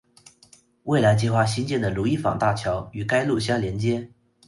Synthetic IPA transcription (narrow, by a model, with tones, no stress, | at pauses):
we˥˩ɪla˧˥ɪt͡ɕi˥˩xwa˥˧ɕi˥nt͡ɕjɛ˥˩nd̪ə˩lu˧˥i˥˩fɑ̰˨˩ŋt̪a˥˩t͡ɕʰjɑ˧˥ʊy˨˩ka˥ɪlu˥˧˩ɕjɑ˥˩ljɛ˧˥nt͡ɕjɛ˥